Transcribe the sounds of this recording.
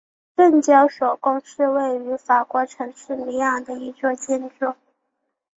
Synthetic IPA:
ʈ͡ʂə˥˩nt͡ɕjɑ˥ʊʂo˨˩ʊkʊ˥ŋʂɻ̩˥˧we˥˩ɪy˧˥fa˨˩kwɔ˧˥ʈ͡ʂʰɤ˧˥ŋʂɻ̩˥˩ni˧˥a˥˩d̪ə˩i˧˥t͡swɔ˥˧t͡ɕjɛ˥˧nʈ͡ʂʊ˥˩

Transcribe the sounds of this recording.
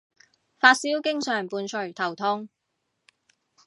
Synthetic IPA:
faː˧t̚siː˥wkɪ˥ŋsœː˨˩ŋpuː˨˧nt͡ʃʰɵ˨˩ɥt̪ʰɐ˨˩wt̪ʰʊ˥ŋ

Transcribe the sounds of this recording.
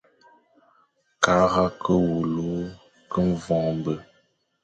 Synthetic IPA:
ka˨˦ɣa˦kə˦wu˨lo˦ | kə˦n˦˨vɔ̃˨ŋmbə˨

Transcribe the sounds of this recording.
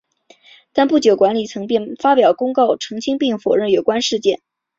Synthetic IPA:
t̪a˥˧npu˥˩t͡ɕjo˨˩ʊkwa˧˥nli˨˩t͡sʰɤ˧˥ŋpjɛ˥˩nfa˥pjɑ˨˩ʊkʊ˥ŋkɑ˥˩ʊʈ͡ʂʰɤ˧˥ŋt͡ɕʰi˥ŋpi˥˩ŋfo˨˩ɻə˥˩njo˨˩ʊkwa˥nʂɻ̩˥˧t͡ɕjɛ˥˩n

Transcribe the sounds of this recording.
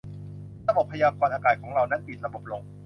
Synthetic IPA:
ɾa˧bo˨˩pʰa˧jaː˧kɔː˧nʔaː˧kaː˨˩kʰɔː˩˦ŋɾa˧wna˦˥npi˨˩t̪̚ɾa˧bo˨˩p̚lo˧ŋ

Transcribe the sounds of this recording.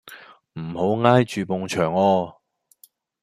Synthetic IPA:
m̩˨˩ho˨˥wŋaː˥jt͡ʃyː˨po˨ŋt͡ʃʰœː˨˩ŋɔː˧

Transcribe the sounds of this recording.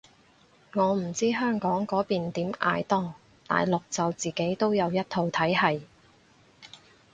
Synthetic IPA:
ŋɔː˨˧m̩˨˩t͡siː˥ɦœː˥ŋkɔː˨˥ŋkɔː˨˥piː˨nt̪iː˨˥mʔa̰ː˧jt̪ɔː˥ŋ | t̪a̰ː˨jlʊ˨k̚t͡sɐ˨wt͡siː˨ke˨˥jt̪o˥wjɐ˨˧wjɐ˥t̚t̪ʰo˨˧wt̪ʰɐ˨˥jhɐ˨j

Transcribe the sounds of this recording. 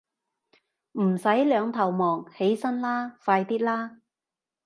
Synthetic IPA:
m̩˨˩sɐ˨˥jlœː˨˧ŋt̪ʰɐ˨˩wmɔː˨˩ŋhe˨˥jsɐ˥nlaː˥faː˧jt̪iː˥t̚laː˥

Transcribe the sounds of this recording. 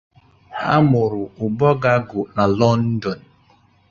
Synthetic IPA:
ha̰˦mʊ˨ɾʊ˨ʊ˨bɔ˦ɡa˦ɡʊ˨na˨lɔ˦n̩˦dɔ˨n̩˨

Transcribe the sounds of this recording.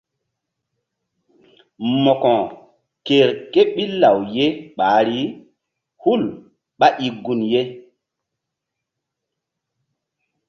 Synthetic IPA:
mɔ˨kɔ̃˨ | ke˨ɾke˦ɓi˦la˨wje˦ɓaː˨˦ɾi˦ | hu˦˨l | ɓa˦ʔi˨ɡu˨nje˦

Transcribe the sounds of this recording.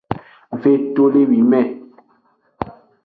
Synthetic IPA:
ve˦˨to˦le˦wi˨mɛ˦˨

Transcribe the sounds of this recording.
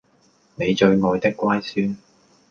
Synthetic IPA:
ne˨˧jt͡ʃɵ˧ɥŋɔː˨˧jt̪ɪ˥kːʷwaː˥jsyː˥n

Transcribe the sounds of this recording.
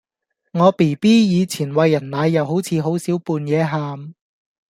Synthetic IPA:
ŋɔː˨˧pi˨˩jpiː˥jiː˨˧t͡sʰiː˨˩nwɐ˨˧jːɐ˨˩nlaː˨˧jːɐ˨˧wɦo˨˥wt͡sʰiː˨˧ɦo˨˥wsiː˨˥wpuː˧njɛː˨˧ɦaː˨m

